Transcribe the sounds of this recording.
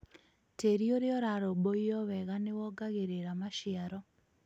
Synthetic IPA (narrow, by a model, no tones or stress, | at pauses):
tʰeɾioɾɪɔɾaɾɔboɔwɛɣanɪwɔɡaɣeɾeɾamaʃɪaɾɔ